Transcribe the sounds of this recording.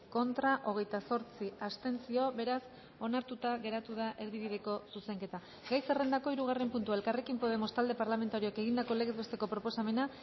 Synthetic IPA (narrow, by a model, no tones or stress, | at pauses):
ko̞nt̪ɾaʔo̞ɣ̞e̞jt̪aso̞ɾt͡siast̪e̞nt͡sio̞βe̞ɾas | o̞naɾt̪ut̪aɣe̞ɾat̪uð̞aʔe̞ɾðiβiðe̞ko̞suse̞ŋke̞t̪a | ɡajse̞re̞nd̪ako̞iɾuɣare̞mpunt̪uaelkare̞kimpo̞ð̞e̞mo̞st̪ald̪e̞paɾlame̞nt̪aɾioeke̞ɣind̪ako̞le̞ɣe̞zβe̞st̪e̞ko̞pɾopo̞same̞na